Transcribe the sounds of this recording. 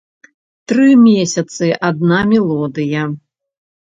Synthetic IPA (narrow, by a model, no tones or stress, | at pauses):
t̪ɾɨmʲesʲɐt̪sɨʔad̪̚namʲɛlˠɔd̪ɨjɐ